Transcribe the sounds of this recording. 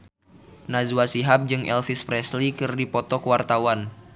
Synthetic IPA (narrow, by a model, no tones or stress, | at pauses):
nazuasiɦap̚d͡ʒɨŋʔɛlfispɾɛslikɨrdipɔt̪ɔkəwart̪awan